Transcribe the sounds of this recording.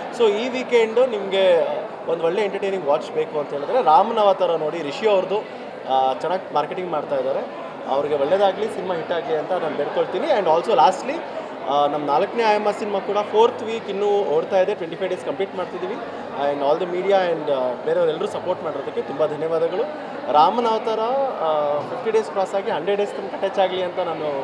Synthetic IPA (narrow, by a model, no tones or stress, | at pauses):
so̞ːiːʋiːkeɳɖnimɐɡe̞ | ond̪uʋɔɭːeeɳʈɐɾʈeːnĩŋɡʋaːt͡ʃbeːkuɐnt̪ɐɦeɭid̪aːɾeɾaːmɐnɐʋaːt̪ɐɾɐno̞ːɽiɾiʂiɐʋɾɐd̪u | t͡ʃɛnːaːɡmaːɾkeʈiŋɡmaːɖt̪aːjd̪aːɾe̞ | ɐ̰ʋɐɾiɡe̞ʋɔɭːed̪aːɡlisinimaɦiʈːaːɡieɐnt̪ɐnaːnbeɽko̞ɭt̪iːniɐɳɖaːlsolaːsʈli | nɐmːɐnaːlɐkːɐne̞aːjɐmasinimakuːɽɐpʰoːɾt̪ʰʋiːkinːuːoːɽt̪aːjid̪e̞ʈʋeɳʈipʰɐjʋɖeːskɐmpliːʈmaːɽt̪id̪iːʋi | ɳɖaːld̪ɐmiːɽijaeɳɖbeːɾeoɾɛlːɐɾuːsɐpoːɾʈmaːɽiɾod̪ɐkːe̞t̪umbɐd̪ʱɐnjɐʋaːd̪ɐɡɐɭu | ɾaːmɐnaːʋt̪ɐɾɐ | pipʈiɖe̞ːsklaːsaːɡiɦɐɳɖeɖɖeːsk̪ɐnkɐʈet͡ʃːaːɡliɐnt̪ɐnaːnu